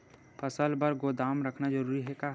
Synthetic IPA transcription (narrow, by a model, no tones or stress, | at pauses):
pʰəsəlbəɾɡod̪aːmɾəkʰnad͡ʒəɾuːɾiɦɛka